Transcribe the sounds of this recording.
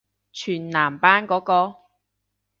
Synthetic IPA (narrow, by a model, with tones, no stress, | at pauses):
t͡ʃʰyː˨˩nnaː˨˩mpaː˥nkɔː˨˥kɔː˧